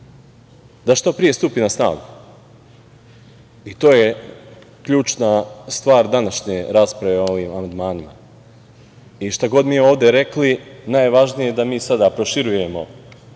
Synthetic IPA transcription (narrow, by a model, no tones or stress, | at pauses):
d̪aʃt̪o̞pɾije̞st̪upinasna̰ːɡu | it̪o̞ːje̞ | kʎuːt͡ʃnast̪ʋaːɾd̪anaʃɲeɾaːspɾaʋeo̞ʋiːmamand̪maːnima̰ | iʃt̪aɡo̞d̪mieo̞ːʋd̪e̞ɾe̞klinaːjʋaʒnije̞d̪amiːsad̪apɾo̞ʃiɾuje̞mo̞̰